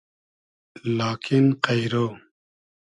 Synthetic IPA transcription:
laːkʰinqajɾo

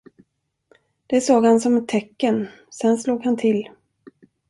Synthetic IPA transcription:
d̪̥ɛsoːɡhansɔmɛt̪ʰːɛkːən | sɛnsloːɡhant̪ʰɪl

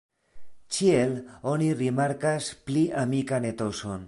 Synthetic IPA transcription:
t͡ʃielonirimaɾkaspliʔamikane̞t̪oson

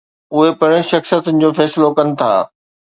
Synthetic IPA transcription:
ʊɦepɐɽ̃ɪ̃ʃɐxsjət̪ʊnɪ̆d͡ʑoːfɛːsɪlokɐnɪ̆t̪ʰa̰ː

